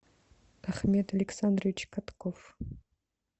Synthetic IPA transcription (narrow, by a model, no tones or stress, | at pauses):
t̪ʰaχmʲet̪ɐlʲeksand̪rʋʲit͡ʃkʰat̪kʰof